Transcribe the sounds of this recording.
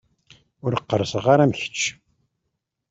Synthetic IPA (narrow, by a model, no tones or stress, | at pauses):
ʊɾəqːəɾsəʁaɾæmçə̥t͡ʃː